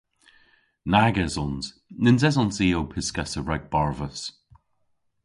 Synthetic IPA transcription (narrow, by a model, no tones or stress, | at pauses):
naɡɛzɔnz̥ | nɪnzɛzɔnsiːowpʰɪskasəɹɛɡ̚b̥aɹvəs